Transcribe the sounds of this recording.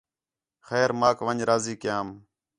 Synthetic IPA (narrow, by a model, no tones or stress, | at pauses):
xɛːɾmaːkʋəɲɾaːziːkɪjaːm